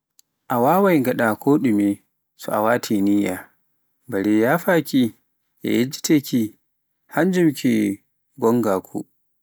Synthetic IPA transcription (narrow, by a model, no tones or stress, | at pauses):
ʔawaːwajɡɐɗakʰoːɗumi | sṵʔa̰waːtʰiːniːja̰ | baɽejaːɸaːkʲi | ja̰jɛd͡ʒi̥tʰekʲi | hand͡ʒʊmkʲi | ɡɔŋɡaːkʰʷṵ